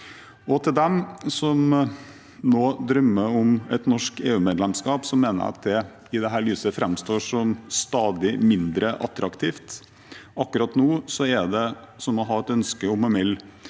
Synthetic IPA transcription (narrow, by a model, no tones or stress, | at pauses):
ɔt̪ʰɪld̪ɛmsɔm | noːd̪ɾœmːəɔmɛt̪nɔʂkeːʉːmeːd̪lɛmskɑːpsɔmːeːnə̰ɾ̰ɑ̰t̪̚d̪ɛ | ɪd̪ɛɦæːɾɭyːsəfɾɛmst̪oːʂɔmst̪ɑːd̪ɪmɪnd̪ɾəʔɑt̪ɾɑkt̪ʰiːft̪ | ɑkːʉɾɑt̪noːsɔɛɖ̪ɛ | sɔmɔɦɑːɛt̪œnskəɔmɛmɪlː